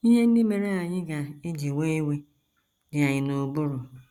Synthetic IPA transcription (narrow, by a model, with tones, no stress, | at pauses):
i˦ɦe˦n̩˦dɪ˦me˨ɾe˦a˨ɲɪ˦ɡa˨e˦d͡ʒe˨we˦i˦we˦ | dɪ˨a˨ɲɪ˨no˨bʊ˦ɾʊ˨